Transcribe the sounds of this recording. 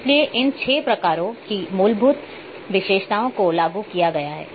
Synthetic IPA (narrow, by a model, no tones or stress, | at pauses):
slieʔɪnt͡ʃʰeːpɾɐkaːɾõkimʊːlbʱʊt̪ | ʋɪʃeːʃt̪aːõkolaːɡukijaɡɐjaɦɛ̰ː